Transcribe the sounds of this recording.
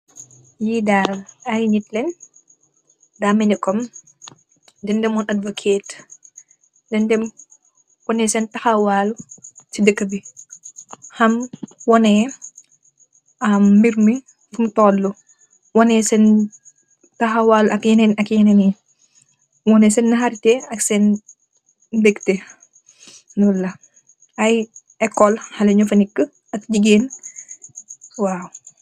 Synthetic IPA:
jidaɾɐjɲitlɛn | damɛnikɔm | dɛndɛmɔnʔɐdvokʰeːt | dɛndɛm | wɔnɛsɛntɐxɐwaːlut͡ʃidəkːəbi | hɐmwɔnɛ | ɐmːiɾmi | fumtɔːlːu | wɔnɛsɛn | tɐɦɐwalʔɐkjɐnenɐkjɐneni | wɔnɛsɛnːɐɦaɾtɛɐksɛn | dekte | nulːɐ | ɐj | ɛkːɔlhɐlɐɲɔfɐnikːə | ɐtd͡ʒiɡeːn | waːwu

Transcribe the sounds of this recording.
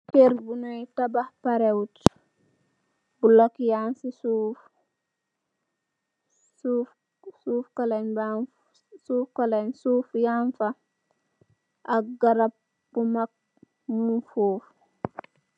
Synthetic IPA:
keɾbunɔjtabahpaɾɛwt | bulokjansisuf | uf | suːfkalanba | suːfkalansuːfjaɱfa | ʔaɡaɾap̚ | bumak̚ | munfuːf

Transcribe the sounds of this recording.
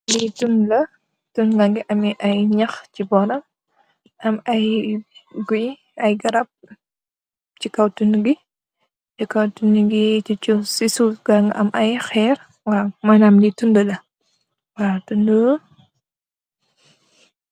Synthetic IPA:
litunlɐ | tunɡaŋɡiʔɐmiʔɐjɲɐxt͡ʃibɔɾɐm | ɐmɐj | ɡuj | ɐjɡɐɾɐp̚ | t͡ʃikɐwtunɡi | t͡ʃikɐwtuniɡit͡ʃit͡ʃusisuɡaŋɐmʔɐjxɛɾ | waːmanamlitundəlɐ | waːtundə

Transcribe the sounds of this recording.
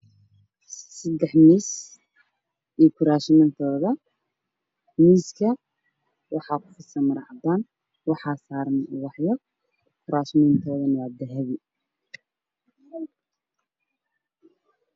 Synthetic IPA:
sɐd̪ɛħmiːs | ʔijkʰʊɾaːʃmɛnt̪ʰɔːðɐ | miːskʰɐ | wɑħɑːkʰʊ̥fɪsɐmɐɾɑ̰ʕɑd̪aːn | wɑħɑːsaːɾnɐwɑħjɔ | kʰʊɾaːʃɪnɪnt̪ʰɔːðɐnɐwaːd̪ɛɦɛβɪ

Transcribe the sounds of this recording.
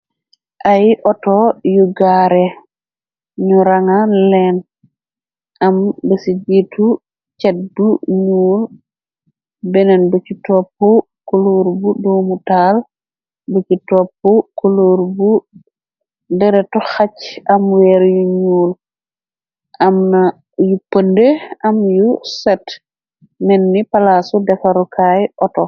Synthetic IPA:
ʔajʔɔtɔjuɡaɾɛ | ɲuɾaŋalɛn | ʔambɛsid͡ʒetʰu | t͡ʃɛt̚buɲuːl | bɛnɛnbut͡ʃitɔpːɔ | koloɾbudomutal | bot͡ʃitɔpːɔkoloɾbu | dɛɾɛtɔxat͡ʃamwɛɾjuɲuːl | ʔamna | jupːandeamjusɛt | nɛnːipalasudɛfaɾukʰajʔɔtɔ

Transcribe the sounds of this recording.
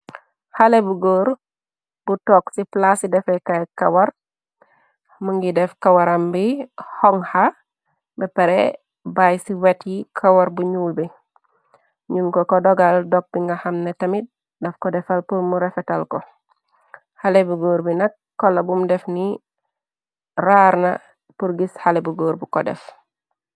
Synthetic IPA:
halebuɡoːɾ | butɔːksiplasidɛfɛkajkɐwɐɾ | muŋɡidɛfkawɐɾambihɔŋha | bɛpɛɾɛ | bajsiwetjikʰawɐɾbuɲuːlbi | ɲunkɔkɔdɔɡaldɔk̚biŋɡahɐmnetɐmit̚ | dɛfkɔdɛfɐlpuɾmuɾɛfɛtɐlkɔ | halebuɡoːɾbinɐkːɔlɐbumdɛfni | raːɾnɐ̰ | puɾɡishalebuɡoːɾbikɔdɛ̰f

